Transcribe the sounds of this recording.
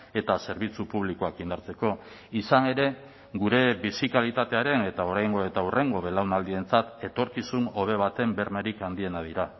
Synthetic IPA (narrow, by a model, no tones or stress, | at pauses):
e̞t̪ase̞ɾβit͡supuβ̞likoakind̪aɾt͡se̞ko̞ | isane̞ɾe̞ | ɡuɾe̞βisikalit̪at̪e̞aɾe̞ne̞t̪ao̞ɾajŋɡo̞e̞t̪aurʔe̞ŋɡo̞βe̞lawnald̪ie̞nt͡sat̪e̞t̪o̞ɾkisuno̞β̞e̞β̞at̪e̞mbe̞ɾmeɾikand̪ie̞nað̞iɾa